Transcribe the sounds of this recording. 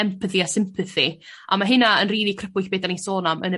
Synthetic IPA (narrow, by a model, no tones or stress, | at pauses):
ɛmpʰəθiasɪmpʰɨθi | ʔamaɦɪnaənriːlˠikʰrəpʰʊɬb̥eːdanisoːnamənə